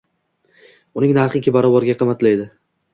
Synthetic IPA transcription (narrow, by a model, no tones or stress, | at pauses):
ʊnɪŋnaɾχɪkʲɪbaɾɒbɒɾɡʲaqʰɨmːat̪lajd̪ɪ